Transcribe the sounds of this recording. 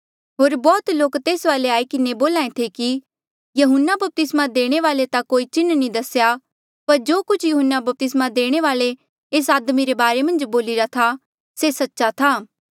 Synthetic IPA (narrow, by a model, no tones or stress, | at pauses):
ɦoːɾbɔːt̪loːkt̪eːsʋaːleaːikɪneboːlãːẽt̪ʰeki | jɐɦʊnːabɐp̚t̪ɪsmad̪eːɽ̃eʋaːlet̪akoːit͡ʃɪnːnĩd̪ɐsja | pɐɾd͡ʒoːkʊt͡ʃʰjuɦʊnːabɐp̚t̪ɪsmad̪eːɽ̃eʋaːle | eːs̬aːd̪miɾebaːɾemɐ̃nd͡ʒboːlɪɾat̪ʰa | sesɐtːʃat̪ʰaː